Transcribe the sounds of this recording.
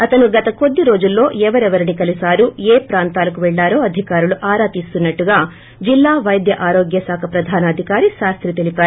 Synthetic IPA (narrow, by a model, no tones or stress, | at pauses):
ɐt̪ɐnuɡɐt̪ɐko̞d̪ːiɾo̞ːd͡ʒulːo̞ːʔɛʋɐɾɛʋɐɾinikɐlisaːɾuːeːpɾaːnt̪aːlɐkuʋɛɭːaːɾo̞ːɐd̪ʱikaːɾuluʔaːɾaːt̪ist̪unːɐʈːuɡaː | d͡ʒilːaːʋɐjd̪jɐʔaːɾoːɡjɐsaːkʰɐpɾɐd̪ʱaːnɐɐd̪ʱikaːɾiʃaːst̪ʰɾit̪elipaː